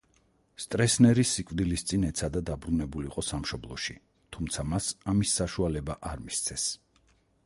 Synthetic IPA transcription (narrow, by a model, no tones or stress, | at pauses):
st̪ʼɾɛsnɛɾisːikʼvd̪ilist̪sʼinɛt̪sʰad̪ad̪abɾunɛbuliqʼɔsamʃɔblˠɔʃi | t̪ʰumt̪sʰamasamisːaʃualɛbaʔaɾmist̪sʰɛs